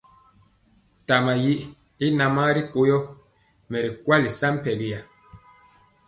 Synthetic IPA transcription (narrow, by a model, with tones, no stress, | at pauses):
ta˨ma˨ji˦ʔ | i˦na˨ma˦ɾi˦ko˦jɔ˦ | mɛ˨ɾi˨kwa˦li˨sa˦m̩˦pɛ˨ɡi˦ja˨